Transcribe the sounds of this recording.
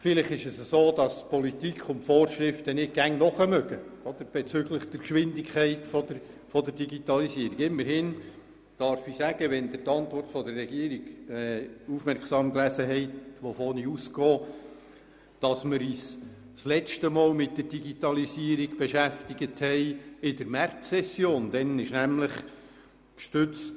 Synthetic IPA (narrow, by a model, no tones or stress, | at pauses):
fɪlɪχɪʃəsəsoːd̥ɑspɔlitikʰʊntfɔːɾʃɾɪft̪ənɪd̚ɡæŋnɔχəmœɡəɔd̪əɾb̥ɛt͡sʏɡləχd̥̪əɾkʃʋɪndikχɛɪtfɔd̪ə | fɔd̪əɾdiɡit̪ɑlisiəɾiɡɪmːəɾhɪn | d̥ɑɾfisæɡəʋɛnd̥̪ətɑnt̪ʋɔrtfɔd̪ərːɛɡiəɾiɡɛːufmɛɾksɑːmklæsəɦɛɪtʋofoːniuskɔː | d̥ɑsmɪɾiːs | slɛt͡ʃtəmɔːlmɪt̚d̥ərd̥iɡit̪ɑlisiəɾiɡ̥b̥eʃæftiɡəthɛɪɪd̥əɾmærtsɛsːjoːnd̥̪ɛnɪʃnæmləχ | kʃtʏt͡st